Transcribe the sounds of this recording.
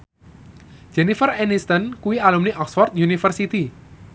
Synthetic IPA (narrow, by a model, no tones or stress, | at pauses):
d͡ʒ̥ɛnifərɛnist̪ənkuwialumniʔɔksfɔrt̪̚junifərsit̪i